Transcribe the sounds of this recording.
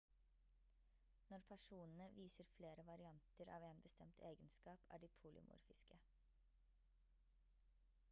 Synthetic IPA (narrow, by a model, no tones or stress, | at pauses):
nɔɾpʰæʂuːnn̩əʋiːsəɾfleːɾəʋɑɾɪɑnt̪əɾɑ̰ːʋeːnbəst̪ɛmt̪ʰeːɡənskɑːpʰæ̰ːɖiːpʰuːlɪ̰mʔṵːɾfɪskə